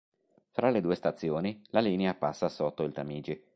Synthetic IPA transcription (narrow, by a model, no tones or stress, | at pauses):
fɾaled̪uːest̪at̪sːjoːnilaliːneapasːasot̪ːoilt̪amiːd͡ʒi